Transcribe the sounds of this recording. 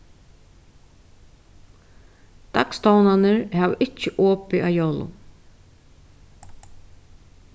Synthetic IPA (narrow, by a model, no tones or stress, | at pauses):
d̪̥akst̪awnanɪɾhaːʋʔɪt͡ʃːɪʔɔːpɪʔaːjowlʊ̰